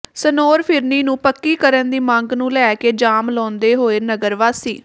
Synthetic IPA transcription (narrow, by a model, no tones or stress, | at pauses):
sənoːɾpʰɪɾniːnũːpəkːiːkəɾənd̪iːmãŋɡnũːlɛːkeːd͡ʒaːmlɔ̃ːnd̪eːɦoːeːnəɡəɾʋaːsḭː